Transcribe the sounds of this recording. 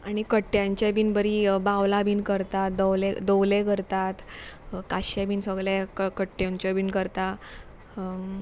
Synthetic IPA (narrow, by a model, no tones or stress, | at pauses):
aɽ̃ikəʈːjãɲt͡ɕabiːnbəɾibawlabiːnkəɾt̪at̪̚d̪əwled̪əwlekəɾt̪at̪kaɕabiːnsəɡɭjakkəʈːjõɲt͡ɕjabinkəɾt̪a